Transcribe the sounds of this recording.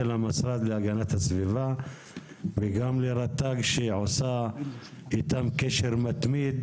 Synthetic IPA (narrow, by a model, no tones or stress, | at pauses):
elamasɾad̪leaɡanat̪hasviva | veɡamleɾat̪ːaɡʃeʕosa | ʔit̪amkeʃeɾmat̪mid̪